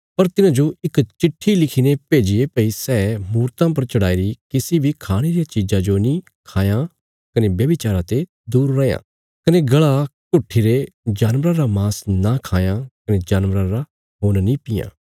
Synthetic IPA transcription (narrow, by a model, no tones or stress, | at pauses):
pɐɾt̪ɪnãːd͡ʒoɪkt͡ʃɪʈʰːilɪkʰinepeːd͡ʒɪepɐisɛːmuːɾt̪ãpɐɾt͡ʃɐɽaːiɾikɪsibʱikʰaːɽ̃eɾijat͡ʃid͡ʒãd͡ʒonĩ | kʰaːjã | kɐnebjɐbɪt͡ʃaːɾãt̪e | d̪uːɾːɐjã̰ː | kɐneɡɐɭakʊʈʰːiɾed͡ʒaːnʋɾãɾamaːsnakʰaːjakɐned͡ʒaːnʋɾãɾa | ɦoːnnĩpɪjã̰ː